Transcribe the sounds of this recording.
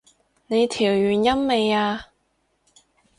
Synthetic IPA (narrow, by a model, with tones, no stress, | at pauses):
ne˨˧jt̪ʰiː˨˩wjyː˨˩njɐ˥mːe˨˧jaː˧